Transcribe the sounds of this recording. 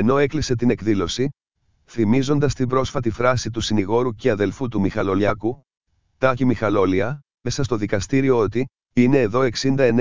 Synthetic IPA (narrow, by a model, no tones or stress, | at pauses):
eno̞e̞klise̞t̪ine̞kðilo̞si | θimizo̞nd̪ɐst̪ibɾo̞sfɐt̪ifɾɐsit̪usiniɣo̞ɾuceɐðe̞lfut̪umixɐlo̞lɐku | t̪ɐimixɐlo̞liɐ | esɐst̪o̞ðikɐst̪iɾio̞ot̪i | ine̞ːðo̞e̞ksind̪ɐe̞n